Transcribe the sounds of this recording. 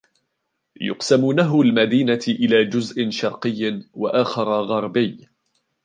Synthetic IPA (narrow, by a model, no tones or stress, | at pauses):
jʊ̰qsamuːnaɦʊlmad̪iːnaʔɪlaːd͡ʒʊzʔɪʃɑɾˤqɨjːwaʔaːxɑɾˤɑɣɑɾˤbɪj